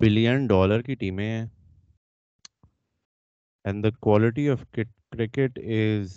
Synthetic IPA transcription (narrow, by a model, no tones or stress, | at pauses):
bɪlijə̃nɖɔːləɾkiʈiːmẽɛ | ɛ̃ɳd̪əkwɔːlɪʈ̬iɔʋkkɾɪkɪʈɪz